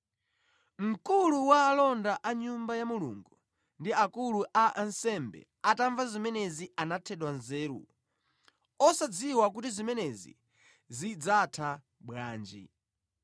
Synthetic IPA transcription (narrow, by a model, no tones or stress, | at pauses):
m̩kuluwaːlɔndaʔaɲumbajamulṵŋɡu | ndiakuluʔaʔansɛmbɛ̰ | ataɱvazimɛnɛziʔanatʰɛɗwanzɛːɾṵ | ɔsad͡ziwak̬utizimɛnɛzḭ | zid͡zatʰa | ɓwaːnd͡ʒḭ